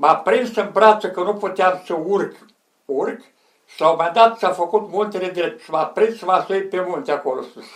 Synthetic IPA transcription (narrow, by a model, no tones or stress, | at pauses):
mapɾinsənbɾasəkənuput̪eamsəurk | urk | slawmand̪at̪safəkut̪mult̪ʲeled̪ɾep̚t̪smapɾinsvasuipemult̪ʲeakolost̪əs